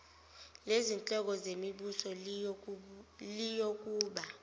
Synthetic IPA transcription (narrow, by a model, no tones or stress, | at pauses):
lezint͡ɬʼɔk̬ɔzemiɓusɔ | lijok̬ʼuːɓa